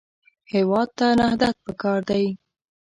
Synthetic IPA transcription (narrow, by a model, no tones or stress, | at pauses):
hewɑd̪̚t̪anahd̪at̪̚pəkɑɾd̪aj